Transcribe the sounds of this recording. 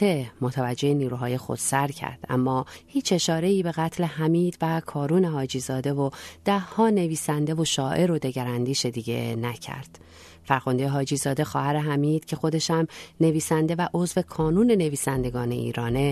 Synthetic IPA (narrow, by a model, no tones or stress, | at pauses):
emot̪ʰævæd͡ʒːe̞eniːɾuːɦɒːje̞xo̞̰d̪̥sæɾcʰæ̰ɾd̪̥ʔæ̰mːɒːhiːt͡ʃe̞ʃɒːɾe̞iːbe̞ɣæt̪ʰle̞hæmiːd̪̥vækʰɒːɾuːne̞hɒːd͡ʒizɒːd̪e̞vod̪̥æhːɒːne̞viːsænd̪e̞vo̞ʃɒːʔe̞ɾod̪e̞ɟæɾænd̪iːʃed̪iːɟe̞̰næcʰæ̰ɾd̪̥ | fæɾɣond̪ejeɦɒːd͡ʒiːzɒːd̪e̞xɒːhæɾe̞ɦæmiːd̪̥cʰe̞xo̞d̪e̞ʃæmne̞viːsænd̪e̞væʔo̞zve̞kʰɒːnuːne̞ne̞viːsænd̪e̞ɡɒːne̞̰ʔḭːɾɒːne̞